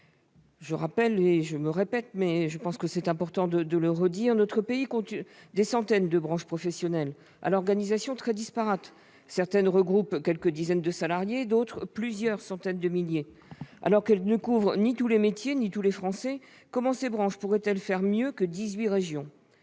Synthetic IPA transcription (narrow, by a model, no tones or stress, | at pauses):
ʒəʁapɛleʒəməʁepɛt̪mɛʒəpɑ̃skəsɛt̪ɛ̃pɔʁt̪ɑ̃d̪əd̪ələʁəd̪iʁnɔt̪χəpeikɔ̃t̪d̪esɑ̃t̪ɛnd̪əbʁɑ̃ʃpχɔfɛsjɔnɛl | a̰lɔʁɡanizasjɔ̃t̪χɛd̪ispaʁat̪ | sɛʁt̪ɛnʁəɡʁupkʲɛlkəd̪izɛnd̪əsalaʁjed̪ot̪χplyzjœʁsɑ̃t̪ɛnd̪əmilje | a̰lɔʁkɛlnəkuvʁnit̪ulemet̪jenit̪ulefχɑ̃sɛ | kɔmɑ̃sebʁɑ̃ʃpuʁɛt̪ɛlfɛʁmjøkəd̪izɥiʁeʒjɔ̃